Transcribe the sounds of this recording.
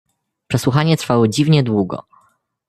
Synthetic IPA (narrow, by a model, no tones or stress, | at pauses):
pʂɛswuxaɲɛt̪ɾfawɔd͡ʑivɲɛd̪wuɡɔ̰